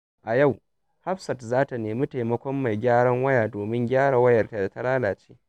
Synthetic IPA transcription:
ʔa˨ja˦˨w | ha˦ɸsɐ˨tzaː˦ta˨neː˨mi˦ta˨jmɐ˦kʷɔ˦mːa˨jɡʲaː˦ɽɐ˦ŋwɐ˦jaː˨doː˨mɪ˦ŋɡʲaː˦ɽa˨wɐ˦jɐ˨rta˦da˨ta˦laː˦laː˨t͡ʃe̥ː˦

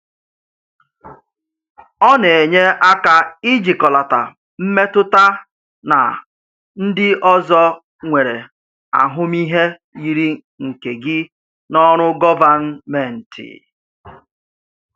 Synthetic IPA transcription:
ɔ˦ne˨e˨ɲe˦a˦ka˦ɪ˦d͡ʒi˨kɔ˨la˨ta˨ | m̩˦me˦tʊ˦ta˦ | na̰˨ | n̩˦dɪ˦ɔ˦zɔ˦ | ŋʷe˨ɾe˨ | a̰˨ɦʊ˦mi˦ɦe˦ | i˨ɾi˦ | ŋ̩˨ke˨ɡɪ˦ | nɔ˦ɾ̃ʊ˦ɡɔ˦va˨n̩˦me˨n̩˨tɪ̰˨

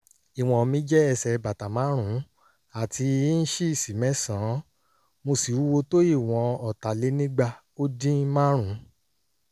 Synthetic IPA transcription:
i˨w̃ɔ̃˨˧mĩ˧˦d͡ʒɛ˦ɛ˧sɛ˧ba˨ta˨mã˨˦ɾ̃ũ˨˦ | a˦˨ti˧˦n̩˦ʃi˦˨si˨mɛ̃˨˦sã˨˦ | mo˧si˨wu˦wo˧to˦i˦˨w̃ɔ̃˨˦ɔ˨ta˨le˨˦nĩ˦ɡ͡ba˧ | o˦dĩ˦mã˦ɾ̃ũ˨˦

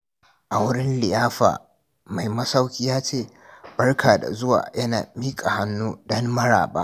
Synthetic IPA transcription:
ʔa˨wʊ˦ɽɪ˦nlɪ˨jaː˦ɸa̰ː˨ | ma˨jmɐ˦sa˦wkʲiː˦jaː˦t͡ʃeː˦˨ | b̥ɐ˦rkʰaː˨da̰˨zʊ˦wa̰ː˨jɐ˦na̰ː˨miː˦kʼa˨ha˦nːuː˦dɔ˦mːɐ˦ɽa̰ː˨ɓa̰ː˦

